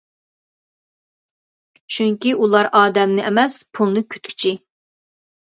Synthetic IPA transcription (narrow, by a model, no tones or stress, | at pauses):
t͡ʃʰyŋkʲiʔulˠɑɾʔɑːd̪ɛmnɪʔɛmɛspʰulˠnɨkʲʰy̥t̪kʲʰy̥t͡ʃʰi